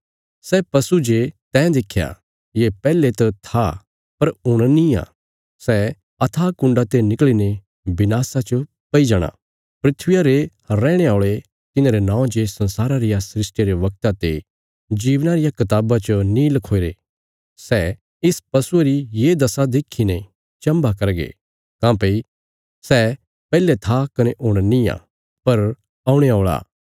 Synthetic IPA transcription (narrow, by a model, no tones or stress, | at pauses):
sɛpɐsud͡ʒet̪ɛ̃ːd̪ekʰːja̰ | jepɛːlet̪ɐt̪ʰa | pɐɾʊɽ̃nĩa̰ː | sɛ | ɐt̪ʰakʊ̃ɳɖat̪enɪkline | bɪnaːsat͡ʃə | pɐid͡ʒaːɽ̃a̰ | pɾɪt̪ʰʋɪjaɾe | ɾɛːɽ̃eaːɭe | t̪ɪnãːɾenãːõd͡ʒesɐ̃nsaːɾaɾɪjasɾɪsʈeɾeʋɐk̚t̪at̪e | d͡ʒiːʋnaɾɪjakɐt̪aːbat͡ʃənĩlɐkʰoːeɾe | sɛ | ɪspɐsueɾijed̪ɐsad̪eːkʰːine | t͡ʃɐ̃mbakɐɾɡḛ | kãːpei | sɛ | pɛːlet̪ʰakɐneʔʊɽ̃nĩjã̰ː | pɐɾ | aːuɽ̃eaːɭa̰ː